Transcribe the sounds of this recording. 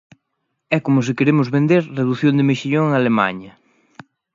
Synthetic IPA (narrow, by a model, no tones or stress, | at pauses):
ɛkomʊs̬ɪkeɾemʊzβend̪eɾreðuθjõnd̪ɪmeʃiʎoŋalema̰ɲɐ